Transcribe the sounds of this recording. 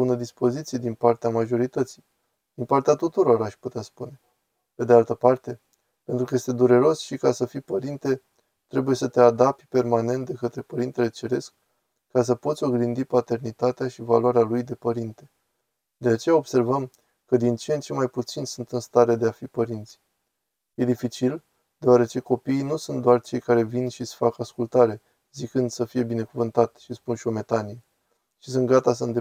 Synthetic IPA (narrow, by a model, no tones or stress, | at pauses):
unəd̪ispo̞zit̪sije̞d̪inpart̪eamaʒo̞ɾit̪ət̪si̥j | d̪̥inpart̪eat̪ut̪uɾo̞ɾaʃput̪easpune̞ | pe̞d̪ealt̪əpart̪e̞ | pe̞nt̪ɾukəje̞st̪e̞d̪uɾe̞ɾo̞sʃikasəfipəɾint̪e̞ | t̪ɾe̞buje̞sət̪e̞ad̪ap̪ʲpe̞rmane̞nt̪d̪e̞kət̪ɾe̞pəɾint̪e̞le̞t͡ʃe̞ɾe̞skː | as̬əpo̞t̪sʲo̞ɡɾind̪ipat̪e̞rnit̪at̪eaʃivalaɾealujd̪e̞pəɾint̪e̞ | d̪̥e̞at͡ʃe̞jao̞b̥se̞rvəm | kəd̪int͡ʃeent͡ʃe̞majput̪sinsunt̪ɨnst̪aɾe̞d̪e̞afipəɾint̪sʲ | je̞d̪ifit͡ʃil | d̪̥eoaɾe̞t͡ʃe̞ko̞piːnusunt̪d̪oart͡ʃe̞jkaɾe̞vinʃisfakaskult̪aɾe̞ | zikɨnd̪səfije̞bine̞kuvɨnt̪at̪ʃispunʃio̞me̞t̪anije | ʃisunt̪ɡat̪asəɨnd̪e